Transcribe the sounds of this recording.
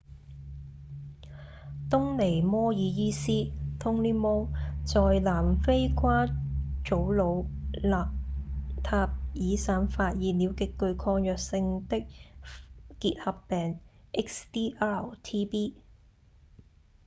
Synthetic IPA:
t̪ʊ˥ŋle˨˩jmɔː˥jiː˨˧jiː˥siː˥t̪ʰʊ˥ŋliː˥mɔː˥t͡sɔː˨jlaː˨˩mfe˥jkʷʰaː˥t͡ʃo˨˥wlo˨˧wlaː˨p̚t̪ʰaː˧p̚jiː˨˧saː˨˧nfaː˧t̚jiː˨˧niː˨˧wkɪ˨kːɵ˧ɥkʰɔː˧ŋjœː˨k̚sɪ˧ŋt̪ɪ˥k̚ | kiː˧t̚hɐ˨pːɛː˨ŋʔɪ˥k̚st̪iː˥ʔa˥˩wt̪ʰiː˥piː˥

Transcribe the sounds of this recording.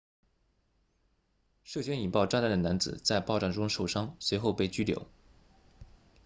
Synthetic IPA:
ʂɤ˥˩ɕɥɛ˥ni˨˩npɑ˥˧ʊʈ͡ʂa˥˧nt̪d̪ə˩na˧˥nd͡zɹ̩˨˩t͡sa˥˧ɪpɑ˥˧ʊʈ͡ʂɑ˥˩ŋʈ͡ʂʊ˥ŋʂo˨˩ʊʂɑ˥ŋswe˧˥ɪxo˥˧ʊpe˥˩ɪt͡ɕy˥ljo̰˧˩˦ʊ

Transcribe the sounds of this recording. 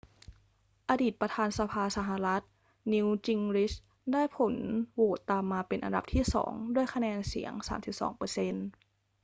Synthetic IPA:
ʔaː˧diː˨˩t̪̚pɾa˧t̪ʰaː˧nsa˧pʰaː˧sa˧ɦa˧˩la˦˥t̪̚ | ni˧wt͡ɕi˧ŋɾi˦˥s | daː˥˩jpʰo˩˦nwoː˨˩t̪ːaː˧mːaː˧pe˧nʔa̰˧nda̰˨˩p̚t̪ʰiː˥˩sɔ̰ː˩˦ŋdu˥˩əjkʰa˧nɛː˧nsḭ˩˦əŋsa̰ː˩˦msi˨˩p̚sɔ̰ː˩˦ŋpɤː˧se˧n

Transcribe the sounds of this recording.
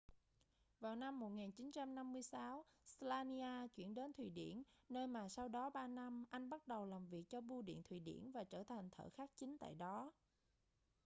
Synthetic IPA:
vaː˨˩wna˧mːo˨˩t̚ŋaː˨˩nt͡ɕi˨˦nt͡ɕa˧mna˧mːɨ˧əjsaː˨˦wslaː˧ni˧aː˧t͡ɕwi˧˩ənɗe˨˦nt̪ʰwi˨˩ɗḭ˧˩˨ənnəː˧jmaː˨˩sa˧wɗɔ˨˦ɓaː˧na˧mʔa˧jŋ̟ɓa˦˥t̚ɗə˨˩wlaː˨˩mvi˨˩ək̚t͡ɕɔ˧ɓu˧ɗḭ˧˨ənt̪ʰwi˧˨˩ɗḭ˧˩ənvaː˨˩t͡ɕəː˧˩t̪ʰa˨˩jŋ̟t̪ʰə̰ː˧˩xaː˦˥k̚t͡ɕï˨˦ŋ̟t̪a̰ː˧˨jɗɔ˨˦

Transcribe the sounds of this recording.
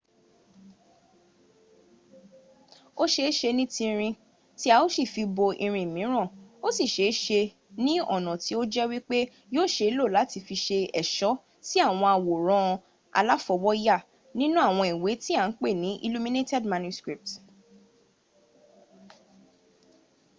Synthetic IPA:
o˦ʃe˧˦ʃe˧nĩ˦tĩ˧ɾ̃ĩ˧ | ti˦a˧o˦si˦˨fi˧bo˧ʔi˧ɾ̃ĩ˧˨mĩ˨˦ɾ̃ã˦˨o˦si˦˨ʃe˨˦ʃe˧ | nĩ˦ɔ̰˦˨nɔ̃˨ti˨˦o˦d͡ʒɛ˦wi˦k͡pe˦ | joː˦˨ʃe˧i˦lo˦˨la˨˦ti˧fi˧ʃe˧ɛ˨ʃɔ˨˦ | ti˦a˦˨w̃ɔ̃˧a˧wo˨ɾ̃ɔ̃˦˧ | a̰˧la˦fɔ˧wɔ˦ja˦˨ | nĩ˦nũ˦a˦˨w̃ɔ̃˧i˨we˨˦ti˦a˦˨n̩˦k͡pe˦˨nĩ˨˦ʔḭ˦˧lu˦mĩ˦ne˦tɛ˦dmã˧nju˧˦skɾi˨p̚t

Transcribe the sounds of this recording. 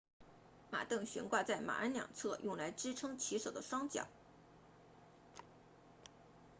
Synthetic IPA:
ma̰˨˩t̪ɤ˥˩ŋɕɥɛ̰˧˥nkwa˥˧t͡sa˥˩ɪma̰˨˩ʔə˥nljɑ̰˨˩ŋt͡sʰɤ˥˧jʊ˥˩ŋla˧˥ɪʈ͡ʂɻ̩˥ʈ͡ʂʰɤ˥ŋt͡ɕʰi˧˥ʂo˨˩ʊd̪ə˦ʂwɑ˥ŋt͡ɕjɑ̰˨˩˦ʊ

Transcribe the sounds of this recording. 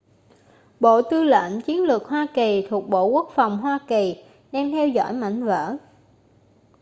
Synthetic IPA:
ɓo̰˧˨t̪ɨ˧lə̰˧˨nt͡ɕi˨˦ənlɨ˨˩k̚ɦwaː˧ki˨˩t̪ʰu˨˩ək̚ɓo̰˧˨ku˦˥ək̚fa˨˩wŋ͡mɦwaː˧ki˨˩ | ɗaː˧ŋt̪ʰɛ˧wzɔ̰˧˥jma̰˧˨jŋ̟və̰ː˧˥

